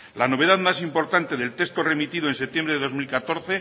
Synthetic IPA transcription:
lano̞βe̞ðaðmasimpo̞ɾt̪ant̪e̞ðe̞lt̪e̞st̪o̞re̞mit̪iðoe̞nse̞t̪jembɾe̞ðeðo̞zmilkat̪o̞ɾθe̞

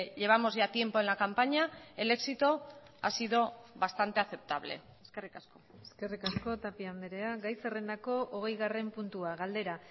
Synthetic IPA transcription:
ʎe̞β̞amo̞zʝat̪je̞mpo̞e̞nlakampaɲae̞le̞ksit̪o̞ | a̰siðo̞βast̪ant̪e̞aθe̞p̚t̪aβ̞le̞̰ | eske̞rikasko̞ | eske̞rikasko̞t̪apiand̪eɾe̞aɡajsere̞nd̪ako̞ʔoɣ̞e̞jɣare̞mpunt̪uaɣald̪e̞ɾa

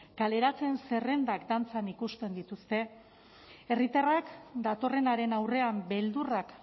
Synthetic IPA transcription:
kale̞ɾat͡se̞nse̞re̞nd̪akd̪ant͡sanikust̪e̞nd̪it̪ust̪e̞ | erit̪arakd̪at̪o̞re̞naɾe̞nawre̞ambe̞ld̪urak

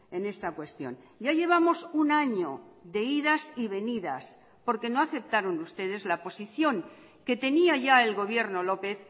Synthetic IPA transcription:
e̞ne̞st̪akwe̞st̪jo̞̰n | ɟ͡ʝaʎe̞β̞amo̞sunaɲo̞ðe̞iðasiβe̞niða̰s | po̞ɾke̞no̞aθe̞p̚t̪aɾonust̪e̞ð̞e̞zlapo̞siθjo̞ŋ | ke̞t̪e̞niaʝae̞lɣo̞β̞je̞ɾno̞lo̞pe̞θ

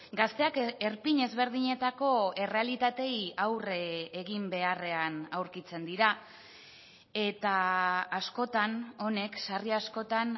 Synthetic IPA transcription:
ɡast̪e̞ake̞ɾpiɲe̞zβe̞ɾð̞iɲe̞t̪ako̞e̞re̞alit̪at̪e̞jawreeɣimbe̞are̞anawɾkit͡se̞nd̪iɾa | e̞t̪aːsko̞t̪ano̞ne̞ksariasko̞t̪an

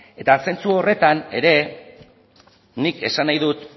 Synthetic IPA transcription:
e̞t̪ase̞nt͡suo̞re̞t̪ane̞ɾe̞ | nike̞sanajðut̪

